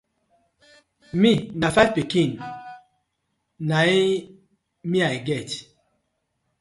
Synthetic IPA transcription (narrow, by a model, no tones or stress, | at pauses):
minafat̚pikĩn | nai | miajɡɛt